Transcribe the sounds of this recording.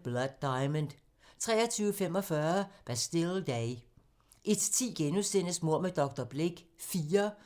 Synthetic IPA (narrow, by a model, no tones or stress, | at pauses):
b̥lɒd̥̚ːɑ̈ɪmənd̥ | t͡sʰʁɛ̰ːɐt͡sʰyːʊəfem̰ɒ̽fɶɐb̥æsd̥e̝ld̥ɛɪ | ʔe̝d̥t͡sʰḭːɡ̥enusen̰əsmo̝ɐ̰med̥ɒ̽ɡ̥̚d̥ɐb̥le̝ɡ̥fiːɐ